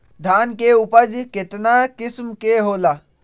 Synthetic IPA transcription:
d̪ʱaːnkeupəd͡ʒket̪nakɪsmkeɦoːla

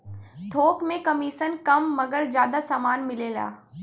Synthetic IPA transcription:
t̪ʰoːkmẽkɐmiːʃənkɐmːɐɡəɾzjaːd̪asaːmaːnmɪlela̰ː

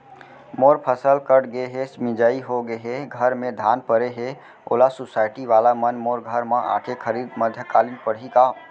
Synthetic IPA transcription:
moːɾpʰəsəlkəʈɡeɦesmɪ̃d͡ʒaːiɦoɡeɦeɡʱəɾmẽd̪ʱaːnpəɾeɦe | o̰ːlasʊsaːɪʈiʋaːlamənmoːɾɡʱəɾmãʔa̰ːʈʰekʰəɾiːd̪məd̪ʱjəkaːlinpəɽɦikaːm

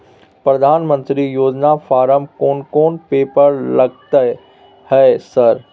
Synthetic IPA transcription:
pɾɐd̪ʱaːnmə̃nt̪ɾijoːd͡ʒnafaːɾəmkoːnkoːnpeːpəɾlɐɡ̚t̪ə | hɛːsɐɾ

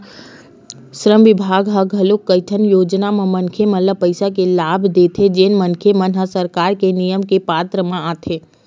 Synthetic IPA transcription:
ʃɾəmʋɪbʱaːɡɦəɡɦɐlokːəʈʰənjoːd͡ʒnamẽmənkʰemələpəɪsak̬elaːbʱd̪eːt̪ʰed͡ʒeːnmənkʰemənɦasəɾkaːɾkenijəmkepaːt̪ɾəmãaːt̪ʰeː

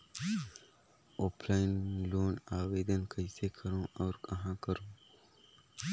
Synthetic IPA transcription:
ʔoplajinloːnaːweːd̪ɐnkʰɐjseːkʰɐɾuɐwɾkʼɐɦãkɐɾu

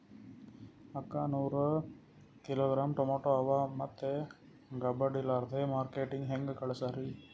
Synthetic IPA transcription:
ɐkːaːnuːɾ | kɪloːɡɾaːmʈomoːʈoːɐʋaːmɐt̪ːe | ɡɐbɐɖilaːɾd̪eːmaːɾkeːʈiŋɡɦeŋɡkɐɭɐsaɾi

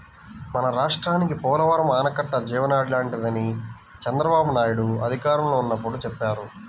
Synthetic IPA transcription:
mɐnɐɾaːʂʈɾaːnikipɔːlɐʋɐɾɐmaːnɐkɐʈːɐd͡ʒiːʋɐnaːɽlaːɳʈid̪ɐni | t͡ʃɛnd̪ɾɐbaːbunaːjuɽuɐ̰d̪ʱikaːɾɐmloːunːɐpːuɽut͡ʃɛpːaːɾu

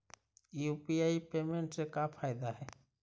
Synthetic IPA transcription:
jupiaipeːmẽɳʈsekapʰaːjd̪aɦɛː

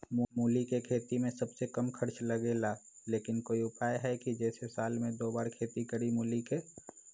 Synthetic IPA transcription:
mmuːlikekʰeːt̪imẽsəbsekəmkʰəɾt͡ʃləɡeːla | leːkɪnkoːiʊpaːjɦɛkid͡ʒɛːsesaːlmẽd̪oːbaːɾkʰeːt̪ikəɾimuːlike

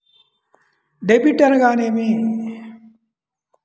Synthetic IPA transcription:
ɖebiʈɐnɡaːnemi

